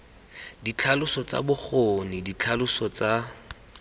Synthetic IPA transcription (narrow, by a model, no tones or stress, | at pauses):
dit͡ɬʰalʊsɔt͡sa̰bʊk͡xonidit͡ɬʰalʊsɔt͡sa